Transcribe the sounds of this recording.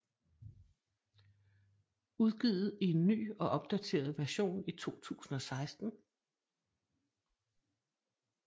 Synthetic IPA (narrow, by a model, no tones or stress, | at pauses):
uðˠɡ̥iːðˠð̩ˠie̝nːy̰ːɒ̽ʔɒ̽b̥̚d̥æt͡sʰe̝̰ːɐð̞̩ˠʋæɐɕo̝̰ːnit͡sʰo̝̰ːt͡sʰṵːsn̩ɒ̽sɑ̈ɪsd̥n̩